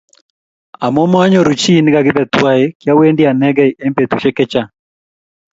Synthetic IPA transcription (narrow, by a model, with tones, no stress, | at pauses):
a˨mɔ˦mɔ˦a˦ɲɔ˨ɾu˨t͡ʃi˦nɪ˦ɡa˨ɡɪ˦bɛ˨t̪wa˦e˦kja˦we˦ndi˦a˨nɛ˦ɡɛ˦ʔe˦mpe˨t̪u˨ʃɛ˦kɛ˦t͡ʃa˦˨